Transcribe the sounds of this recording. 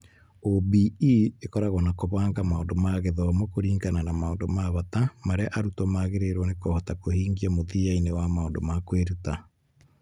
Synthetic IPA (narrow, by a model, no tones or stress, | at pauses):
obiiekɔɾaɣɔnakoβaːŋɡamaondomaɣeðɔmɔkoɾiːŋɡananamaondomaβatamaɾeaʔaɾutɔmaɣeɾeɾwɔnekɔhɔtakohiːŋɡiamoðiainewamaondomakweɾuta